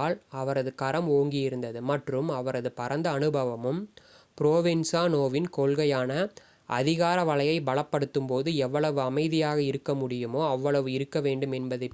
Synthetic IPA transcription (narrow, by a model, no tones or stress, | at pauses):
lɐʋɐɾɐðɯkɐɾɐmoːŋɡɪjɪɾɯnd̪ɐðɯmɐʈrɯmɐʋɐɾɐðɯpɐɾɐnd̪ɐːnɯbɐʋɐmɯm | pɪɾoːʋɪnsaːnoːʋɪnkolɣɐjaːnɐ | ʔɐðɪɣaːɾɐʋɐɭɐjɐɪbɐɭɐpːɐɽɯt̪ːɯmpoːðɯɛʋːɐɭɐʋɯɐmɐɪðɪjaːɣɐɪɾɯkːɐmʊɽɪjɯmoːɐʋːɐɭɐʋɯɪɾɯkːɐʋeːɳɖɯmɛnbɐðɐɪ